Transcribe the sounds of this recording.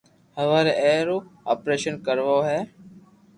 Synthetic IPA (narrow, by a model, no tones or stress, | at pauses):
həʋaːɾeːeːɾoːaːpɾeːʃənkəɾʋoːɦɛː